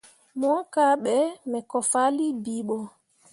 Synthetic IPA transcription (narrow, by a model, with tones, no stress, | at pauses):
mɔ˦ka˦ɓɛmɛ˨kɔ˨fa˦li˦biː˦ɓɔ˨